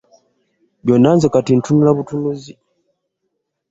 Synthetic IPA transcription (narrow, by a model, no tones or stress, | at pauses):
βjonanzekatin̩tunulaβutunuzi